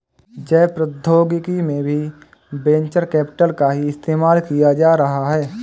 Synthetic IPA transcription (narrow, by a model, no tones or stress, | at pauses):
d͡ʒɛːpɾəd̪ʱoːɡɪkimẽbʱi | bẽːɲt͡ʃəɾkɛːpɪ̥ʈəlkaɦiɪst̪eːmaːlkijad͡ʒaːɾɐɦaɦɛː